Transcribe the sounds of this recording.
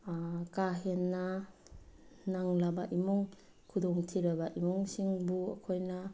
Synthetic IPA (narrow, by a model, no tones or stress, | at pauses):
kaɦenːa | naŋlabaʔimɔŋ | kʰudɔŋtʰiɾabaʔimɔŋsiŋbuɐ̰kʰojna